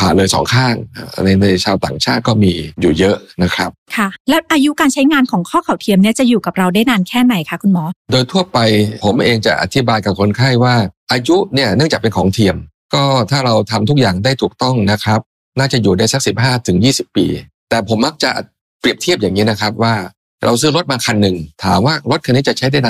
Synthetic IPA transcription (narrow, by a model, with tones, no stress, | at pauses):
pʰaː˨˩lɤː˧jsɔ̰ː˩˦ŋkʰaː˥˩ŋ˩na˧jna˧jt͡ɕʰaː˧wt̪a̰ː˨˩ŋt͡ɕʰaː˥˩t̪̚kɔː˥˩miː˧juː˨˩jɤ˦˥ʔna˦˥kʰɾa˦˥p̚kʰa˥˩lɛː˦˥wʔaː˧ju˦˥kaː˧nt͡ɕʰa˦˥jŋaː˧nkʰɔː˩˦ŋkʰɔː˥˩kʰa˨˩wt̪ʰi˧mni˥˩ɐt͡ɕa˨˩juː˨˩ka˨˩ɾa˧wdaː˥˩jnaː˧nkʰɛː˥˩na˧jkʰa˦˥kʰu˧nmɔː˦˥doː˧jt̪ʰu˥˩ɐpa˧jpʰo˩˦mʔeː˧ŋt͡ɕa˨˩ʔa̰˧t̪ʰi˦˥baː˧jka˨˩kʰo˧nkʰa˥˩jwaː˥˩ʔaː˧ju˦˥ni˥˩ɐnɯ˥˩t͡ɕa˨˩kpe˧nkʰɔː˩˦ŋt̪ʰiː˧əm | kɔː˥˩t̪ʰaː˥˩ɾa˧wt̪ʰa˧mt̪ʰu˦˥k̚jaː˨˩ŋda˥˩jt̪ʰuː˨˩k̚t̪ɔ˥˩ŋna˦˥kʰɾa˦˥p̚ | naː˥˩t͡ɕa˨˩juː˨˩daː˥˩jsa˦˥k̚si˨˩p̚ɦaː˥˩t̪ʰɯ˩˦ŋjiː˥˩si˨˩pːḭː˧ | t̪ɛː˨˩pʰo˩˦mːa˦˥k̚t͡ɕa˨˩ | pɾi˨˩əp̚t̪ʰi˥˩əp̚jaː˨˩ŋːiː˦˥na˦˥kʰɾa˦˥p̚waː˥˩ | ɾʔa˧wsɯː˦˥˩ɾo˦˥t̪̚maː˧kʰa˧nːɯ˨˩ŋt̪ʰaː˩˦mwaː˥˩ɾo˦˥t̪̚ʰa˧nːiː˦˥t͡ɕa˨˩t͡ɕʰa˦˥jda˥˩jnaː˧